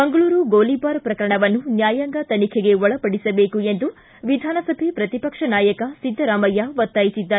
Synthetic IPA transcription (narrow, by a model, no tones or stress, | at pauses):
mɐŋɡɐɭuːɾuɡoːlibaːɾpɾɐkɐɾɐɳɐʋɐnːunjaːjɐŋɡɐt̪ɐnikʰeɡe̞ɔɭɐpɐɽisɐbe̞ːkue̞nd̪u | ʋid̪ʱaːnɐsɐbʱepɾɐt̪ipɐkʂɐnaːjɐkɐsid̪ʱːɐɾaːmɐjːaʋɐt̪ːaːjisid̪ːaːe